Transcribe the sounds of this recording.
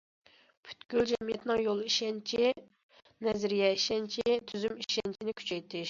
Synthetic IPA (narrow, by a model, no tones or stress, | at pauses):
pʰy̥t̪ɡʲyld͡ʒɛmijɛt̪nɪŋjolˠiʃɛnt͡ʃʰi | nɛzɾijɛiʃɛnt͡ʃʰit̪ʰyzymiʃɛnt͡ʃʰinɪkʲʰy̥t͡ʃʰɛjt̪ʰɪʃ